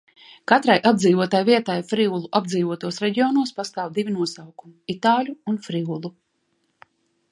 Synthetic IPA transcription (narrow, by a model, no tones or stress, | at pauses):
kat̪ɾajʔab̚d̪ziːvuɔt̪ajviɛt̪ajfɾiulˠuʔab̚d̪ziːvuɔt̪uɔsɾɛɟiɔːnuɔspast̪aːwd̪ivʲinuɔsawkumiit̪aːlʲuːnfɾiulˠu